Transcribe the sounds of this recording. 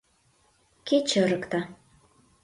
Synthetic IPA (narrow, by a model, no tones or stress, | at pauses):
ket͡ɕə̆ɾɤ̆kt̪ɑ